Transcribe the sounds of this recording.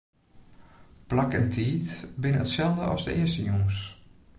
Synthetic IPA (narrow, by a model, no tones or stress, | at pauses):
plakɛntʰiːtbɪnəətsɛlˠdəɔ̰sdə̰ɪəstəjoŋəs